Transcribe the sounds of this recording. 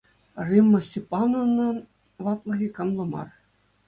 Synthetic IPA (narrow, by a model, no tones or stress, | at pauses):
rimːɤ̆sʲipːɑnonːɤ̆ | ʋɑt̪lˠɤ̆ɣʲikɤ̆nlˠɤ̆mɑ̰r